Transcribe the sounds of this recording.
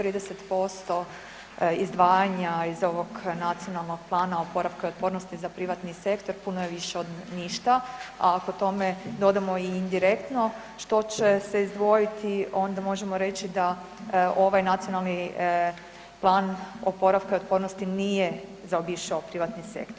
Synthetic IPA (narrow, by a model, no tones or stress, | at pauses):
t̪ɾiːd̪eset̪po̞st̪o̞ | izd̪ʋaːjaɲaizo̞ʋo̞ɡnat̪sijo̞nalˠno̞ɡ̥̚plˠaːnaopo̞ɾaʋkaio̞t̪̚po̞ɾnost̪izapɾiʋat̪nise̞kt̪o̞ɾpunojeʋiʃeo̞d̪niʃt̪aa̰kot̪o̞me̞d̪o̞d̪amo̞iːnd̪iɾekt̪no̞ | ʃt̪o̞t͡ɕeseizd̪ʋo̞jit̪ʰio̞nd̪amo̞ʒemo̞ɾe̞t͡ɕid̪a | o̞ʋajnat̪sijo̞nalˠni | plˠaːnopo̞ɾaʋkaio̞t̪̚po̞ɾnost̪inije | zaobiʃaopɾiʋat̪nise̞̰kt̪oɾ